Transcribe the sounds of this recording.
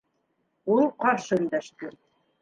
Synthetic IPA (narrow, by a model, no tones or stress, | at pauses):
ulˠqɑɾʃɤɘ̆nd̪æʃt̪ɘ